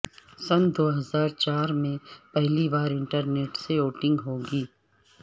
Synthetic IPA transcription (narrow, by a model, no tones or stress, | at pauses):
sɐnd̪oːɦɐzaːɾt͡ʃaːɾmẽpɛɦlibaːɾɪ̃ɳʈəɾneːʈseoːʈɪ̃ŋɡɦoːɡiː